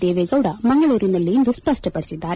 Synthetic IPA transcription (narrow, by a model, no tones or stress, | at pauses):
d̪eːʋeɡɐʋɽɐmɐŋɡɐɭuːɾinɐlːiind̪uspɐʂʈɐpɐɽisid̪ːaːɾe